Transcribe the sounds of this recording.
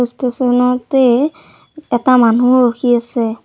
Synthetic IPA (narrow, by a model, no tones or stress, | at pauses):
ustɔsɔnɔtɛ | ɛtamanuɹoxʰiasɛ